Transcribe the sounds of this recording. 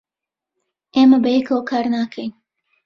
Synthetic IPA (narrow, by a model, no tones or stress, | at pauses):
ʔeːmɐbəjɛkʰwkʰaːɾnaːkʰejn